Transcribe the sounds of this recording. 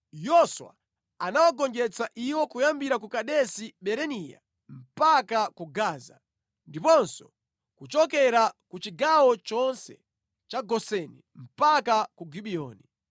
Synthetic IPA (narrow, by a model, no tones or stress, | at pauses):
jɔswa̰ | anawaɡɔnd͡ʒɛt͡saʔiwɔkujambiɾakukaɗɛsiɓɛɾɛnija̰ | m̩pakakuɡaːza̰ | ndipɔnsɔ | kut͡ʃɔkɛɾakut͡ʃiɡawɔt͡ʃɔnsɛ̰ | t͡ʃaɡɔsɛni | m̩pakakuɡiɓiɔːni